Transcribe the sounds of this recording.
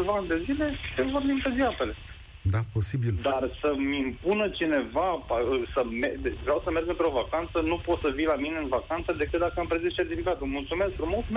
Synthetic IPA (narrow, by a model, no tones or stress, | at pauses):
vaanʲd̪e̞zile̞t̪evorbimt̪eziape̞le | d̪apo̞sibild̪arsəmimpunət͡ʃine̞vapaəsəmevɾeawsəmerɡɨnt̪ɾeo̞vakant̪sənupo̞t̪səvilamineɨnvakant̪səd̪e̞kɨt̪̚d̪akəampɾezist͡ʃe̞rt̪ifikat̪mult̪sume̞st̪ɾunmot̪me